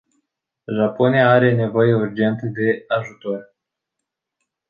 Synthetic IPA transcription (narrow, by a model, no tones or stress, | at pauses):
ʒapo̞nijaaɾe̞ne̞vo̞jeurd͡ʒe̞nt̪əd̪e̞aʒut̪o̞r